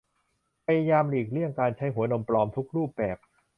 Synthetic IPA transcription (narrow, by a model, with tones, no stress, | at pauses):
pʰa˧ja˧jaː˧mliː˨˩k̚ɾi˥˩əŋkaː˧nt͡ɕʰa˦˥jɦu˩˦ɐno˧mplɔː˧mt̪ʰu˦˥k̚ɾuː˥˩p̚bɛː˨˩p̚